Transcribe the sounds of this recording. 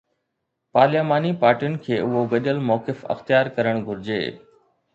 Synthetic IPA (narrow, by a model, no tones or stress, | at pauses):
paːleːmaːnipaːɾʈijʊnɪ̆kʰeːʊɦoɡɐʄəlmɔːkɪfɐ̰xt̪jaːɾkɐɾəɽ̃ɡʱʊɾɪd͡ʑḛː